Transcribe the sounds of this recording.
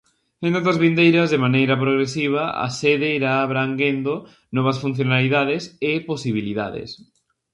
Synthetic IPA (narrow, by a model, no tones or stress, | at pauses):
ẽnt̪ot̪ɐzβind̪ejɾɐzðemanejɾɐpɾoɣɾesiβ̞ɐa̰seðeiɾaːβɾaŋɡend̪o | nɔβ̞ɐsfun̟θjonaliðaðesɪposiβ̞iliða̰ðḛs